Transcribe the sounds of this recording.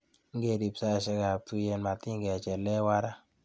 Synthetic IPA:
ŋ̩˦ɡe˨di˨psa˦˨ʃɛ˦ka˨tu˦jɛ˧nma˨ti˦ŋɡɛ˨t͡ʃɛ˨lɛ˦wa˦ɾa˦

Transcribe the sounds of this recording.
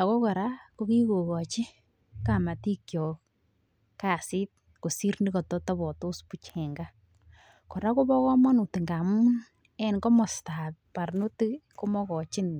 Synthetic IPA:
a˨kɔ˦kɔ˨ɾa˦ko˦ki˦ko˨kɔ˨t͡ʃi˦ | ka˨ma˨ti˦kjɔ˨ | ka˨si˦t̚ | ko˨si˦ɾni˦kɔ˨tɔ˦tɔ˦bɔ˨tʊ˦spu˨t͡ʃɛ˨ŋɡa˦ | kɔ˨ɾa˦ko˦bɔ˦kɔ˦mɔ˦nu˨ti˨ŋɡa˨mu˦n | ɛ˨nkɔ˦mɔ˨sta˨t̚pa˨rnʊ˦ti˦ko˦mɔ˦kɔ˨t͡ʃɪ˦n

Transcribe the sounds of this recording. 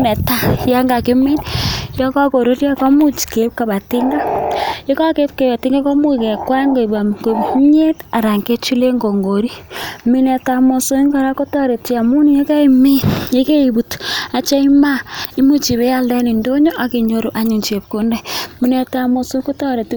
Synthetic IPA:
nɛ˨ta˦ja˦ŋɡa˨ki˦mi˦njɔ˦ka˦ko˨ɾo˦ɾja˦ka˦mu˦t͡ʃi̥˨ke˨˦p̚ka˨βa˨ti˦ŋɡa˦je˦ka˦ke˦p̚ke˨βa˨tɪ˦ŋɡa˦ko˦mu˦˨kɛ˨kwa˦ŋɡo˨i˨ba˨ɡo˨bɲe˦ta˨ɾa˨ŋke˦t͡ʃu˦le˦ŋɡo˨ŋɡo˨ɾi˦mi˦nɛ˨ta˨mo˨so˦i˦ŋɡɔ˦ɾa˦ko˦tɔ˦ɾe˨ti˨a˨mu˦ni˦je˦ka˦i˦mi˦je˦ke˦i˨bu˨ta˨t͡ʃa˦i˦ma˦i˦mu˦t͡ʃi˨βe˦ja˦ldɛ˦ni˨ndo˦ɲo˦ʔa˨ke˨ɲo˦ɾu˨ʔa˦ɲu˨nt͡ʃe˨p̚ko˦ndɛ˦mi˨nɛ˨ta˨mo˨so˦ko˦tɔ˦ɾe˨ti˦

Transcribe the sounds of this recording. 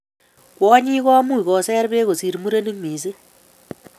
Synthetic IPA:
kwɔ˦ɲi˦kɔ˦mu˦i˨kɔ˨sɛ˦rbe˦ko˨si˨ɾmu˦ɾe˦ni˦miː˨s̬ɨ˦

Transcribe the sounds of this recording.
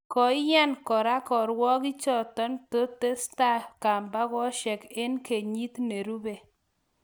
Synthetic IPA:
kɔ˨ɪ˦ja˦nkɔ˨ɾa˦kɔ˨ɾwɔ˦kɪ˦t͡ʃɔ˦t̪ɔ˦nto˦t̪e˦sta˦ka˨mba˦kɔ˦ʃɛ˨ke˦nke˨ɲi˦t̪ne˨ɾu˦be˨

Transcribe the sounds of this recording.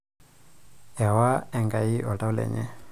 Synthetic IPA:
a˨wa˦ɛ˨ŋɡa˨i˦ʔɔ˨ta˦wu˦lɛ̰˨ɲɛ̰˦

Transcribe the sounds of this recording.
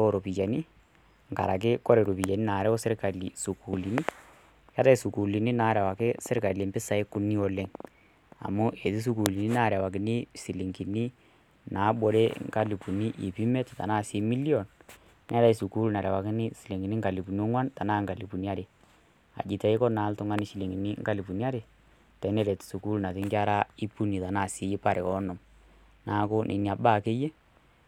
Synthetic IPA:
ɔ˨ɾo˨pi˨t͡ʃa˨ni˦ | ŋka̰˨ɾa˨k̬ɪ˦kɔ˦ɾɛ˨ɾo˨pi˨t͡ʃa˨ni˦naː˨ɾɛ˦ɔ˦sɪ˦ɾka˨li˨su˨ku˨li˨ni˦ | ka˦ta˦i˨su˨ku˨li˨ni˦naː˨˦ɾɛ˨wa˨kɪ˦sɪ˦ɾka˨le˨mpɪ˦sa˨ɪ˦kʊ˦ni˦ɔ˦lɛ˨˦ŋ | a̰˨mʊ˦ʔe˨ti˦s̬u˦ku˨li˨ni˦na˦˨ɾa˨wa˨k̬ɪ˨ni˦si˨li˨ŋki˨ni˦ | na˨˦ɓɔ˨ɾe˦ŋka˦li˨pu˨ni˦ʔi˨pi˦mɛ˦tta̰˨naː˦˨si˦mi˦li˦ɔ˨n | nʔa˦ta˦i˦su˨ku˦lna˨ɾɛ˨wa˨kɪ˦nɪ˦si˨li˨ŋɡi˨ni˦ŋɡa˨li˨pu˨n˦o˦ŋwa˦nta˨naː˦ŋka˨li˨pu˨ni˦a˦ɾe˨ | a̰˨d͡ʒɪ˨tɛ˨˦ɪ˦kɔ˦na˨˦ltʊ˦ŋa˦nɪ˦ʃi˦li˨ŋi˨ni˦ŋka˦li˨pu˨ni˦a˦ɾe˨ | tɛ˨˦nɛ˦le˨tsu˨ku˦lna˨tɪ˦ŋɡa˦ɾa˦i˦pu˦ni˨ta˨naː˦˨si˨˦ji˦pa˦ɾe˨ɔ˦nʊ˨m | na˨˦kʊ˦nʔḛ˨˦ni˨a˨baː˦˨ke˦je˦

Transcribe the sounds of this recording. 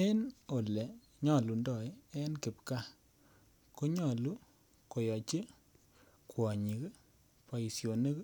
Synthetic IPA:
ɛ˦no˨le˨ | ɲɔ˨lu˨ndɔ˨jɛ˦nkɪ˨pka˦ | ko˦ɲɔ˨lu˦ | ko˨jɔ˨t͡ʃe˦ | kwɔ˨ɲi˨k | pa˨i˨sjo˨ne˦k

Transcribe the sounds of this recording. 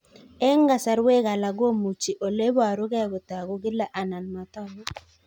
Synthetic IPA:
e˦ŋ˦ɡa˨sa˨ɾwe˦ɣa˨la˨ɡo˦mu˨t͡ʃi˨ʔo˨le˦βɔ˦a˨ɾʊ˦ɣɛ˦ɣʊ˨ta˨ɣʊ˨ɡɪ˦la˦ʔa˨na˨lma˨tɔ˦lɔ˨

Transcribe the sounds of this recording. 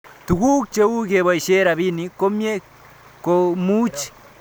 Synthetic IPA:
tu˨ɣu˦kt͡ʃeu˦ɣeβwa˨i˨ʃe˦ɾaβi˦niko˦mje˦ | komu˦t͡ʃi̥

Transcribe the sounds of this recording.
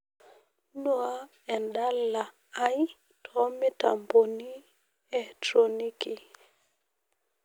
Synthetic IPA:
nɔ˦a˦ | ɛ˨nɗa˦lːa˨ | a˦j | tʰɔ˦mɛ˦ta̰˨mbo˨ni˦ | ɛ˨tɾɔ˨ni˦ki˨

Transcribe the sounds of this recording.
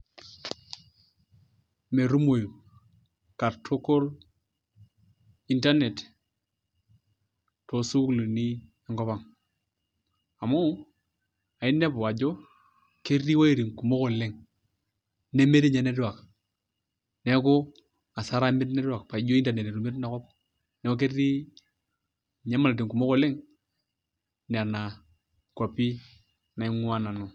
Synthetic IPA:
me˨ɾu˦mo˨ju˨ | ka˨ɾtʰo˦ko˦l | i˦nta˦ne˨t | to˨su˦kli˨ni˦ | ɛ˦ŋɡɔ˦βa˨ŋ | a˨mo˦ | a˨ɪ˦nːe˦bʊ˨a˨d͡ʒo˦ | ke˦ri˦wa˦i˨ɾi˨ŋku˨mo˦kɔ˨le˦ŋ | ne˦me˦ɾi˦ɲɛ˦ne˦dwa˨k | nɛ˦ko˦ | a˨sa˦ɾa˦me˦t̬nɛ˦da˨kpa˨˦d͡ʒo˦i˦nda˨ne˨ne˨ɾu˨me˦tna˨˦kɔ˦p | nɛ˦ko˦k̬e˦rːi˦ | ɲɛ˦ma˨la˨t̬i˨ŋku˨mo˦kɔ˦lɪ˦ŋ | n˨a˨na˨ | kwa˨pi˦ | na˨i˦ŋu˦a˦na˨no˨

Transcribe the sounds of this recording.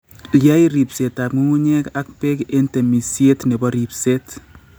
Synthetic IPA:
lja˦iɾi˨pse˨ta˨p̚ŋu˦ŋu˦ɲɛ˦ka˦k̚pe˦ke˦nte˨mi˨sje˦tnɛ˨bɔɾi˨pset

